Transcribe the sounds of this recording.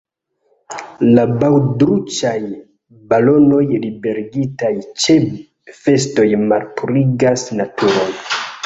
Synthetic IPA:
labawdɾut͡ʃaj | balo̞no̞jlibe̞ɾiɡitajt͡ʃe̞ | fe̞sto̞jmalpuɾiɡasnatʰuɾo̞n

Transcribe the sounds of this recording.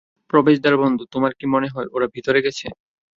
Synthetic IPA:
pɾobeʃd̪aɾbond̪ʱut̪omaɾkimoneɦɔeʔoɾabʱit̪oɾeɡɛt͡ɕʰe

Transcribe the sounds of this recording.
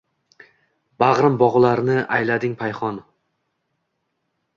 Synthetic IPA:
baʁɾɪmbɒʁlˠaɾnɪajlad̪ɪŋpʰajχɒn

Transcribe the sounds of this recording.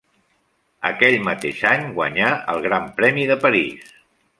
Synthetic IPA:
ə̰kɛʎmət̪eʃaɲɡwə̰ɲaə̰lˠɣɾampɾɛmiðəpəɾḭs

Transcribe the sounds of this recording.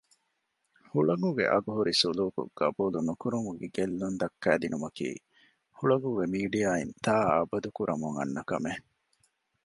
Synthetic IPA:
huɭɐŋɡuɡḛʔɐɡuɦuɾisuluːkṵɡ̥ɐ̰buːlunukuɾuŋɡuɡeɡelːund̪ɐkːæːd̪inumɐkḭː | huɭɐŋɡuːɡemiːɖijaːint̪aːɐbɐd̪ukuɾʔɐmuŋɐ̰nːɐkɐ̰me

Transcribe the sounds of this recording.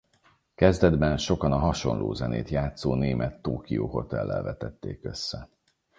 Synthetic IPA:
kɛzd̪ɛd̪bɛnʃo̞kɒnɒɦɒʃo̞nlʔoːzɛneːt̪jaːt̪soːneːmʔɛt̪ːoːkijoːɦo̞t̪ɛlːɛlvɛt̪ɛt̪ːeːkø̞sːɛ

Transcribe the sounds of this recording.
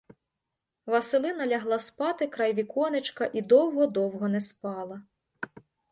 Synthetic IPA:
ʋɐsɪlˠɪnɐlʲɐɦlˠɑspɑt̪ɪkɾɑjʋʲikɔnɪt͡ʃkɐʔid̪ɔwɦɔd̪ɔwɦɔnɛspɑlˠɐ

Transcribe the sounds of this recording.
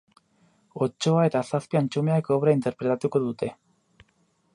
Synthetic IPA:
ot͡ʃːoae̞t̪asaspiant͡ʃumeaekoβɾaint̪eɾpɾet̪at̪ukoðut̪e̞

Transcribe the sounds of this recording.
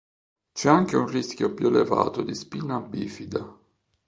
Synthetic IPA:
t͡ʃɛaŋk̟eunriskjopjuleva̰ːt̪od̪ispinːaːbːiːfid̪a

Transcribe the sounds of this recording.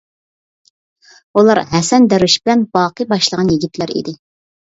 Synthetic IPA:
ulˠɑɾɦɛsɛnd̪æɾwyʃbɪlɛnbɑːqɨbɑʃlˠəʁɑnjiɡʲit̪ʰlæɾḭd̪ɪ

